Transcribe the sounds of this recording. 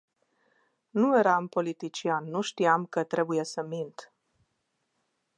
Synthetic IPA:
nue̞ɾampo̞lit̪it͡ʃianːuʃt̪iamkət̪ɾe̞buje̞səmint̪

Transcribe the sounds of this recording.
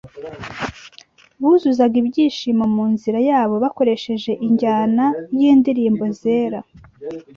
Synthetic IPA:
βuzuzaɡibɟiːʃimomuːnziɾajaːβo̞βako̞ɾe̞ʃe̞ʒe̞ʔiɲɟaːnajiːndiɾiːmbo̞ze̞ːɾa

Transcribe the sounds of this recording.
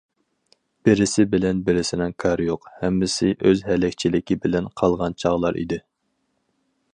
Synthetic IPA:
b̥ɪɾɪsɪbɪlɛnbɪɾɪsɪnɪŋkʰɑɾjoqhɛmːɪsɪʔøzɦɛlɛkʲt͡ʃʰilɪkʲibɪlɛnqʰɑlˠʁɑnt͡ʃʰɑʁlˠɑɾʔḭd̪ɪ

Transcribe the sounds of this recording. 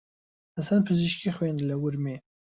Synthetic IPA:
hasanpʰɨziʃkixwend̪lɐwʊɾme

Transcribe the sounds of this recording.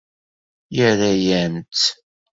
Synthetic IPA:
jəɾajæmt̪

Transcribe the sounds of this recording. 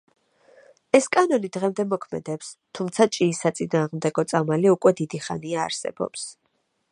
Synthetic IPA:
ɛskʼanɔnid̪ʁɛmd̪ɛmɔkʰmɛ̰d̪ɛpst̪ʰumt̪sʰat͡ʃʼiːsat̪sʼinaːʁmd̪ɛɡɔt̪sʼamaliukʼwɛd̪id̪iχa̰niaːɾsɛ̰b̥ɔ̰ps

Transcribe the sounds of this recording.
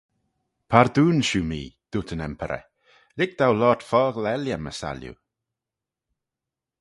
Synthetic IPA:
pʰaɾd̪uːnʃuːmiːd̪̥ut̪ʰənɛmpʰəɾʔɛ̰ | lɪk̚d̪̥awlɔːtfɔːɡlɛljaməsa̰ljṵ

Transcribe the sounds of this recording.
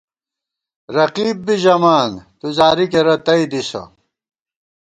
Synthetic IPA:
ɾɐqiːb̚ːiʑɐmaːnt̪uzaːɾikeɾɐt̪ɐid̪isɐ̰

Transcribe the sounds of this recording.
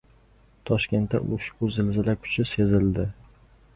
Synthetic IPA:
t̪ʰɒʃkʲe̞nt̪ːa̰ʔʊʃkʊzɪlzɪlakʰʊ̥t͡ʃʰɪse̞zɪld̪ɪ

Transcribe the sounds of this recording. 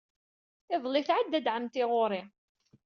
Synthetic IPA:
θɪðˤlːɪθʕad̪ːæd̪ʕəmt̪ɪʁoɾˤɪ

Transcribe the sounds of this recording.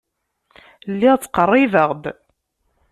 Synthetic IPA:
lːiʁt͡sːqərˤːɪvəʁd̪

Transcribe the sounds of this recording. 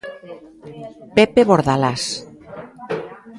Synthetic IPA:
pepeβoɾðalas

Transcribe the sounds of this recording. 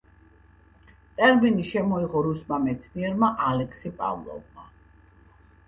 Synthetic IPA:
t̪ʼɛɾminiʃɛmɔiʁɔɾusmamɛt̪sʰniɛɾmaʔalɛkʰsipʼa̰vlˠɔ̰vma

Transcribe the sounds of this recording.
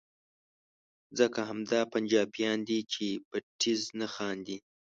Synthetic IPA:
zəkaɦamd̪ɑpand͡ʒɑbijɑnd̪it͡ʃeb̥aʈiznaxɑnd̪i

